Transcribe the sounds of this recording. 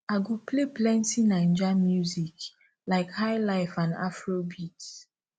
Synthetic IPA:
aɡupleplɛ̃ntĩnãɪ̃nd͡ʒamjuzik | laɪkhaɪlaɪfãna̰fɹobit

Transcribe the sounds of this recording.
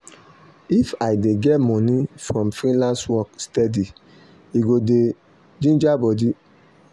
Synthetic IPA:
ifajdeɡɛtmɔ̃nĩfɹɔ̃mfɾĩlãnswɔkstɛdi | iɡode | d͡ʒĩnd͡ʒabɔdi

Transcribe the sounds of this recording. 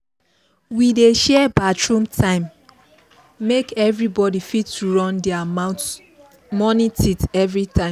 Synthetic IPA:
wideʃɛbatɹũmtʰãɪ̃m | ekɛvɹibɔdifitːuɹɔ̃ndɛaat | mɔnitʰitɛvɹitʰãɪ̃m

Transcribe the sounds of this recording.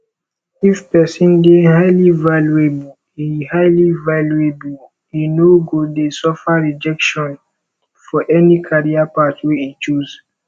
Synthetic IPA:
ifpɛsĩndehaɪlivaluebu | ihaɪlivaluebul | inoɡodesɔfaɹid͡ʒɛkʃɔ̃n | fɔʔɛnikʰaɹiapatwɛit͡ʃuz̥

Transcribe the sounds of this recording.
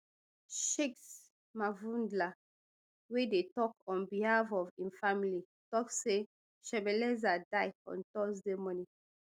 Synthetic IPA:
ʃeks | mavũndla | wedetɔkɔ̃nbihafɔvĩnfamili | tɔkse | ʃɛbɛlɛzadaɪɔ̰̃ntɔsdemɔni

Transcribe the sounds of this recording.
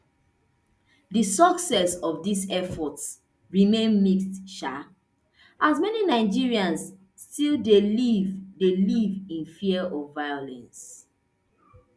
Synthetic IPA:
dəsɔksɛsɔvdisɛfɔts | ɹimẽnmikstʃa | ʔazmɛninaɪd͡ʒiɹiãns | stilˠdelivdelivĩnfiəʔɔvaɪjolɛ̃ns

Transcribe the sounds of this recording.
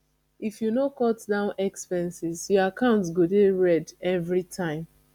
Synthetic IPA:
ifjunokɔtdãʊ̃nɛkspɛ̃nsizjɔakãʊ̃ntsɡodeɹɛdɛvɹitʰãɪ̃m

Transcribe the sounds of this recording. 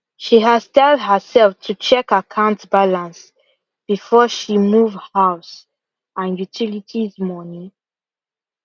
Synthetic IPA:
ʃiɦaz̥tɛld̚ɦəsɛlftʰut͡ʃʰɛkakʰãʊ̃ntbalãns | b̥ifɔʃimuvhaʊs | ãnjutʰilitʰizmɔnĩ

